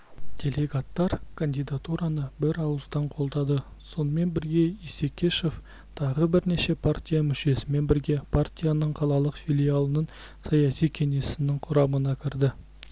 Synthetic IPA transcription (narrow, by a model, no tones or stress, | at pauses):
d̪̥ʲe̞lʲe̞ɡat̪ːɑɾkʰand̪ijd̪at̪uɾɑnəbɪɾɑwəzd̪ɑɴqʰo̞lˠd̪ɑd̪ə | so̞nəme̞nbɪɾɡʲe̞ise̞kʲʰe̞ʃe̞f | t̪ʰɑʁəbɪɾneʃe̞pʰart̪ʲijamʏʃe̞sɪme̞nbɪɾɡʲe̞pʰart̪ʲijanəɴqʰɑlˠɑlˠəqfʲilʲijalˠənəɴ | sɑjasijkʲʰe̞ŋe̞sɪnɪŋqʰʊɾɑmənɑkʲʰɪɾd̪ɪ